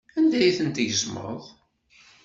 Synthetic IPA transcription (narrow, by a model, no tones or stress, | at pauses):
ænd̪æjiθənt̪ʝəzmə̰ðˤ